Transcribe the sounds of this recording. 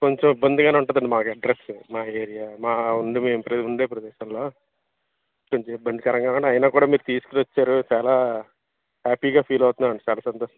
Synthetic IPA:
koɲt͡ʃemibːɐnd̪iɡaːneːuɳʈad̪ɐɳɖimaːkɐɖɾesmaːeːɾijaːmaːuɳɖimeːmpɾɐd̪iuɳɖeːpɾɐd̪ɛːʃɐmloː | koɲt͡ʃeibːɐnd̪ikɐɾɐŋɡaːkuɳɖɐɐjinaːkuːɽaːmiːɾut̪iːsu̥knʋɐt͡ʃːaːɾut͡ʃaːlaː | haːpiːɡaːpʰiːlɐwt̪und̪ɐɾɐɳɖit͡ʃaːlaːsɐnt̪oːɐ

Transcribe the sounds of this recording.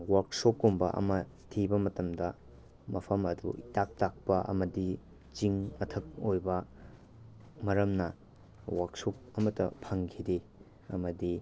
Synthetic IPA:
waɾksokːombɐ̰ʔɐ̰mɐ | tʰibɐmɐtɐmdɐ | mɐpʰɐmɐdṵitak̚tak̚pɐʔɐ̰mɐdi | t͡ʃiŋmɐtʰɐk̚ojbɐ | mɐɾɐmnɐ | waɾksop̚ɐmɐtːɐ̰pʰɐŋkʰide | ɐ̰mɐdi

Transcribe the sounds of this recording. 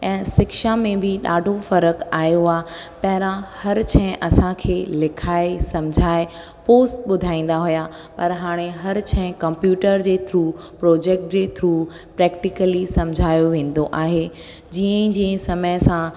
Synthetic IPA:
ɛ̃ːsɪkʃamẽbʱɪɗa̰ːɖʱofɐɾəkaːjoaːpɐɦɪɾãhɐɾt͡ɕʰɛ̃ʔɐsãkʰeːlɪkʰaːesɐmd͡ʑʱaːe | poːsʈɓʊd̪ʱaːĩːn̆d̪aɦuja | pɐɾɦaːɽ̃eɦɐɾt͡ɕʰɛ̃ɪ̃kɐ̃mpjuːʈəɾd͡ʑeːt̪ʰɾuː | pɾoːd͡ʑeːk̚ʈ̚d͡ʑeːt̪ʰɾuː | pɾɛːkʈɪkəlisɐmd͡ʑʱaːjoʋẽːn̆d̪oʔaːɦe | d͡ʑiːə̃d͡ʑĩːə̃sɐməjsã

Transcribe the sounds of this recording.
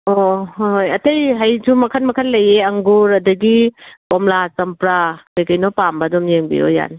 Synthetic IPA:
oɦojɐtɐjɦɐjsumɐkʰɐnmɐkʰɐlːɐjeɐŋɡuɾɐdɐɡipɔmlasɐmpɾakɐjkɐjnɔpambɐdɔmjeŋbḭjɔ̰ja̰n

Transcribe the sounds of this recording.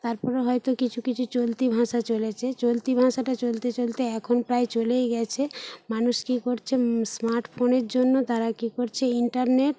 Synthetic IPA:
t̪aɾpɔɾeɦɔjt̪okit͡ɕʰukit͡ɕʰut͡ɕolt̪ibʱãʃat͡ɕolet͡ɕʰet͡ɕolt̪ibʱãʃaʈat͡ɕolt̪et͡ɕolt̪eɛkʰonpɾaet͡ɕolejɡɛt͡ɕʰemanuʃkikoɾt͡ɕʰesmaɾʈpʰoneɾd͡ʑonːot̪aɾakikoɾt͡ɕʰeiɳʈaɾneʈ

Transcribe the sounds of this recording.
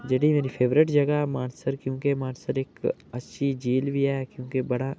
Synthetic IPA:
d͡ʒɐɽimeːɾipʰeːʋɾɪʈd͡ʒɐɡamaːnsəɾkjõːkemaːnsəɾeːkɐtːʃʰid͡ʒiːlbʱiɦɛːkjõːkebɐɽa

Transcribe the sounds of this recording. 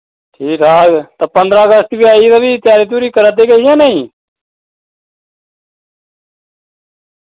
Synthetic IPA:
ʈʰiːkaːɡt̪ãːpənd̪ɾãːəɡəst̪biaːit̪aːʋiːt̪ɪjaːɾiːt̪̬uːɾiːkəɾəd̪eːɡəɦijãːnaːĩː

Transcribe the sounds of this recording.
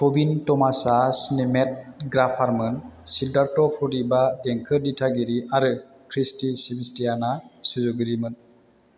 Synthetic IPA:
kobintɔmasasinimet̚ɡɾapʰaɾmɯnsidaɾtɔpʰɔɾibadɛŋkʰɯɾditʰaɡiɾiʔaɾɯ | kʰɾistisibistijanasuzuɡɯɾimɯn

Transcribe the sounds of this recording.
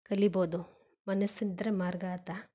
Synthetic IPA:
kɐliboːd̪u | mɐnɐsːind̪ɾɐmaːɾɡaːt̪a

